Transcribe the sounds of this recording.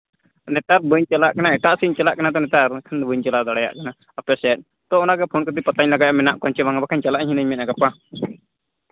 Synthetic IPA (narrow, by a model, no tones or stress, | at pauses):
nɛt̪aɾbəɲt͡ʃɛlaʔkanaɛʈaʔsiɲt͡ʃɛlaʔkanad̪ɔnɛt̪aɾkʰanbəɲt͡ʃɛlaʔd̪ɔɽaja̰ʔkana | əpɛsɛt̪̚ˀ | t̪ɔɔnaɡɛpʰonkɔt̪ipət̪aɲlaɡajaʔmɛnaʔkɔɲt͡ʃɛbaŋɡabakʰaɲt͡ʃalaʔɲɦinəɲmɛt̪̚ʔaɡapa